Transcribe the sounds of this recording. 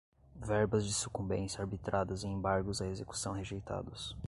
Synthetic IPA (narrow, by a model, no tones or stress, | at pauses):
vɛɾbɐzd͡ʒɪsu̥kũbẽnsaɾbit̪ɾad̪ɐzẽẽmbaɾɡʊzɐezeku̥sɐ̃w̃ɦeʒejt̪a̰d̪ʊs